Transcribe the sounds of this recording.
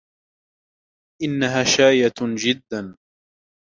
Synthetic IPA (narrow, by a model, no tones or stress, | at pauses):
ʔɪnːaɦaːʃaːjad͡ʒɪd̪ːan